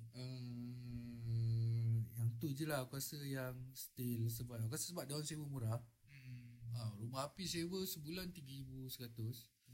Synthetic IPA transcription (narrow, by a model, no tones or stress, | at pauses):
ə | jaŋt̪ud͡ʒəlahkuasəjaŋst̪ils̬əbaʔ̚k̬uasəsəbat̪̚dawansewəmuɾah | aɾubahapisewəsəbulant̪iɡəɾibusəɾat̪ʊs